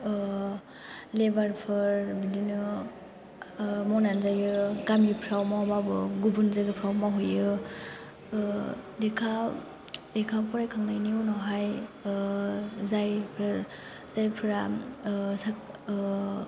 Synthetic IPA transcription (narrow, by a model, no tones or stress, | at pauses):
lebaɾpʰɯɾbidinɯ | mɔnanzajɯɡamipʰɾawmawbabɯɡubunzaɡɯpʰɾawmaɦɔjɯ | dikʰa | dikʰapʰɔɾajkʰaŋnajniunɔɦaj | zajpʰɾɯɾ | z̥ajpʰɯɾa | sak̚